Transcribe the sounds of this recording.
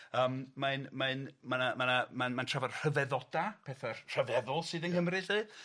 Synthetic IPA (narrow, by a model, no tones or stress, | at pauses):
əːmmaɨnmaɨnmanamanamanmantʰr̥avarr̥əvɛðɔd̥apʰɛθar̥əvɛðʊlˠsɨːðənkəmrɨɬɨː